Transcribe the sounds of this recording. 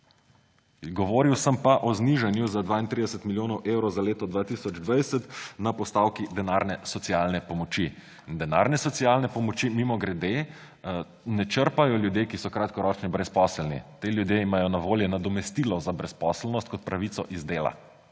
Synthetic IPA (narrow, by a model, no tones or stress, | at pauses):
ɡɔʋoːɾiwsəmpaʔɔzniʒanjuzad̪ʋaːint̪ɾid̪ɛsət̪miljoːnɔwʔewɾɔwzaleːt̪ɔd̪ʋaːt̪isɔd͡ʒd̪ʋajsɛt̪napɔst̪awkid̪ɛnaɾnɛsɔt̪sialnɛpɔmɔt͡ʃi | nd̪ɛna̰ɾnɛsɔt̪sialnɛpɔmɔt͡ʃimimɔɡɾɛd̪e | nɛt͡ʃəɾpajɔljud̪jekisɔkɾat̪kɔɾɔːt͡ʃnibɾɛspɔːslnḭt̪eljud̪jeimajɔnaʋoːljɛnad̪ɔmɛst̪ilɔzabɾɛspɔslnɔst̪̚kɔt̪̚pɾʔaʋit̪sɔʔizd̪eːla̰